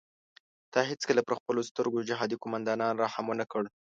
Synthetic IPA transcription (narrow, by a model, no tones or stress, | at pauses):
d̪̥ɑɦet͡skəlapəɾxpəlost̪əɾɡod͡ʒɪɦɑd̪ikomand̪ɑnɑnɾɑhamənakəɽ